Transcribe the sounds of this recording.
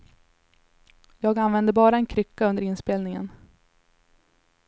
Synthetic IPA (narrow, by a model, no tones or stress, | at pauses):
jɑːɡanvɛnd̪əbɑːɾaɛnkʰɾʏkːaɵnd̪əɾɪnspeːlnɪŋə̰n